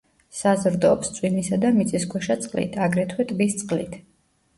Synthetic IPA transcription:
sazɾd̪ɔpst̪sʼwinisad̪amit̪sʼiskʰwɛʃat̪sʼqʼlḭt̪ʰaɡɾɛt̪ʰwɛt̪ʼbist̪sʼqʼlḭt̪ʰ

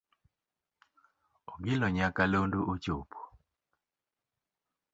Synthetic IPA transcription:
ɔɡɪlɔɲakalondoʔot͡ʃopʰo̥

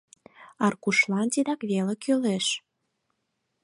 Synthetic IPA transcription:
ɑrkuʃlɑnt̪id̪ɑkβelĕkøleʃ

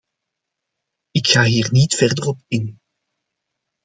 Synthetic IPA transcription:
ɪkxaːɦiːrnitfɛrdərɔpɪn

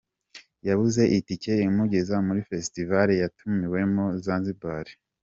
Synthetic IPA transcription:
jaβuze̞ʔitice̞imuɡe̞zamuɾife̞stivaɾejatumiwe̞mozaːnzibaɾi̥

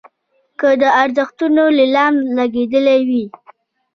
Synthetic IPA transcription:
kəd̪əaɾzəxt̪unolɪlɑnlaɡed̪əlewi

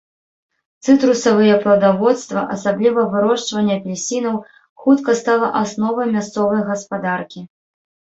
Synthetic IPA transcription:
t̪sɨt̪ɾusɐvɨjɛpɾɐwd̪avɔt̪st̪vɐʔɐsablʲivɐvɨɾɔʂt͡ʂvɐnʲːɐpʲlʲlʲsʲinɐw | xut̪kɐst̪alˠɐʔasnɔvɐjmʲast̪sɔvɐjɣɐspad̪arkʲi

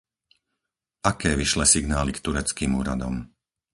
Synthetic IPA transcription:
ʔakɛːʋiʃlɛsiɡnaːlikt̪uɾɛt͡skiːmuːɾa̰d̪ɔ̰m

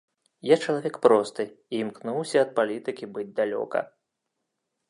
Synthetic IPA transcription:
jat͡ʂɐlˠavʲɛkpɾɔst̪ɨimknuwsʲɐːt̪̚palʲit̪ɨkʲibɨd͡zʲd̪alʲɔ̰kɐ̰

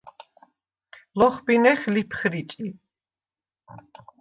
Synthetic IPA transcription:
lɔχbinɛχlipʰχɾit͡ʃʼi

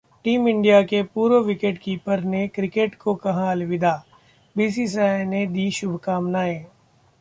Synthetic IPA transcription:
ʈiːmɪ̃ɳɖijakepuːɾoʋɪkeʈkiːpəɾnekɾɪkeːʈkokɐɦãɐlʋɪd̪aː | biːs̬is̬aned̪iːʃʊbʱkaːmnaːẽː

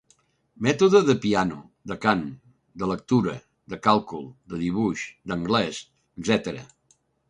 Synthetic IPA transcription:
mɛt̪uðəðəpianu | d̪əkan | d̪ələk̚t̪uɾə | d̪əkalˠkulˠd̪əðiβ̞uʃd̪əŋɡlɛs | əɡzɛt̪əɾə̰

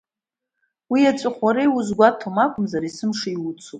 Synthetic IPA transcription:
wiat͡ʃʷʼɨχʷaɾejwuzɡʷatʰomakʷʼʊmzaɾisɨmʂaiwut͡sʰupʼ

